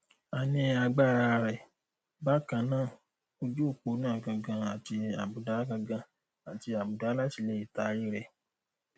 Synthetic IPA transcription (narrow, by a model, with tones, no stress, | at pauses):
a˨nĩ˧a˧ɡ͡ba˦˨ɾa˧ɾɛ˨ | ba˦kã˨˧˦nãː˦˨ | o˧d͡ʒo˦˨k͡po˧˦nã˦˨ɡã˧ɡã˧a˨ti˧a˨bu˨da˨˦ɡã˧ɡã˧ | a˨ti˧a˨bu˨da˨˦la˦ti˧˨le˦i˦˨ta˨˧˦i˦ɾɛ˧˨